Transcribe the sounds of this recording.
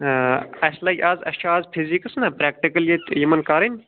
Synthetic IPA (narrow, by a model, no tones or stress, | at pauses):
ɐslɐjʔaːzɐ̰t͡ʃʰaaːzpʰizikɐsnɐpɾeːk̚ʈikɐljet̪ʲjɐmɐnkaːɾinʲ